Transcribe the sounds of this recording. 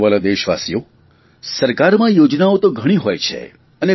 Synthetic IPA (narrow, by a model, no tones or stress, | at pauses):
ʋalad̪eʃʋa̰sijo | səɾkaɾmãjod͡ʒnaot̪oɡʱəɽ̃iɦojt͡ʃʰḛ | əne